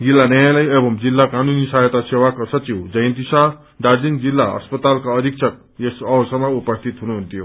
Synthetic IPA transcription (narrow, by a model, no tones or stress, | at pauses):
jilːanʌjalajebʌmd͡zilːakanunisajʌt̪asewakosʌt͡siwd͡zʌjnt̪isa | d̪aɾd͡zind͡zilːaʌ̰spʌt̪alkaʌd̪ʱik̚t͡sʰʌk̚ | esʌwsʌmːʌupʌst̪ʰit̪ɦunuɦunt̪jo